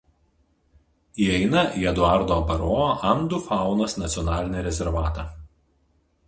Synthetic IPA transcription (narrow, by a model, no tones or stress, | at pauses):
iɛɪnɐiɛd̪ʊɑˑɾd̪oːɐpɐɾoːʔɐnd̪ufɑˑʊnɐsnɐt̪sʲiɔnɑːlʲɪnʲɛɾʲɛzʲɛɾʋɑːt̪ɑː